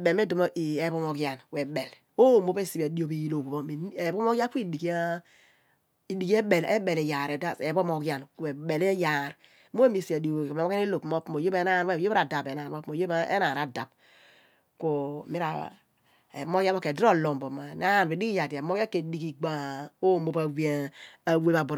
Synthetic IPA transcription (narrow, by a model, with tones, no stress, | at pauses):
be˨me˦do˨m˦ʔi˨e˨˦bo˦˨mo˨kja˨nwe˨ɓe˨l | o˦˨mo˦be˦si˨be˨di˦o˨bi˨ji˦lo˨ku˨bo˦mi˨e˨bo˦mo˦ɡa˦ku˦i˦di˨ka˦ | i˨di˨ke˦ɓe˨lḛ˦be˨le˨ja˨ɾe˨da˨e˨bo˦mo˨ɡja˨nke˨ɓe˨le˦ja˨ɾ | mo˦e˦mi˦˨si˨a˨do˨m˨˦o˦a˦i˦lo˨pmo˦pmo˨jo˦be˦na˦n˦e˦˨jo˦bɾa˨da˨pe˨na˨˦o˦pmo˨jo˦ba˦ʔḛ˦na˨ɾa˨da˨p | ko˨mi˦ɾa̰˨ | ḛ˨mo˦ka˦o˦ke˨dɾo˦˨lo˨mbo˨ma˨na˦n˨be˨di˦ki˦ja˨di˨a˨mo˦a˦ke˨di˦ki˨ɡ͡ba˦o˦˨mo˦pa˨we˦a˨we˦ba˨bɾ